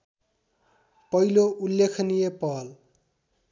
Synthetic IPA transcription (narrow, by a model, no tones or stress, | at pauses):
pʌiloʔuljekʰnijepʌɦʌl